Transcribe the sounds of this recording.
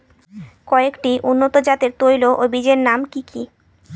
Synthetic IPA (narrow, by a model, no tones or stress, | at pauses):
kɔekʈiʔunːot̪od͡ʑat̪eɾt̪ojloʔobid͡ʑeɾnamkikʰi